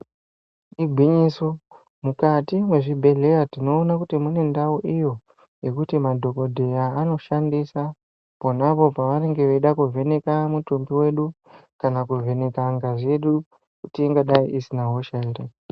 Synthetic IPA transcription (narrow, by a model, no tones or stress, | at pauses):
iɡʱwiɲiso̞ | mukatimwe̞ʐibʱe̞ɮe̞jatino̞ːnakutimune̞ndauʔijo̞ | je̞kutimadʱo̞ko̞dʱe̞jaːno̞ʃandisa | ponapopaʋane̞ŋɡe̞ʋeiɗakuvʱe̞ne̞kamutumbiwe̞ɗu | kanakuve̞ne̞kaŋɡaʐe̞ɗu | kutieŋɡaɗaiʔisinaɦo̞ʃaeɾe